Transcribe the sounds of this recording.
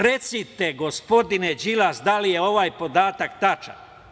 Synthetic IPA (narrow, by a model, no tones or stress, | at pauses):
ɾe̞t̪sit̪e̞ɡo̞spo̞d̪ined͡ʒilasd̪alije̞o̞ʋaːjpo̞d̪aːt̪akt̪at͡ʃa̰n